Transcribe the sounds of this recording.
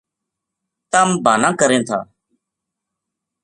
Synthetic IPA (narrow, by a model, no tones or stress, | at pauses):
t̪əmbʱaːnãːkəɾẽːt̪ʰa̰ː